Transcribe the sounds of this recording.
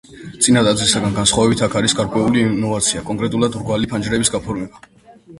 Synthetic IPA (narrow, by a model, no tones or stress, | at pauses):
t̪sʼinad̪ad̪zlisaɡanɡansχwavɛbit̪ʰakʰaɾisɡaɾkʼwɛulinɔvat̪sʰiakʼɔŋkʼɾɛt̪ʼulad̪ɾɡwalipʰand͡ʒɾɛbisɡapʰɔɾmɛba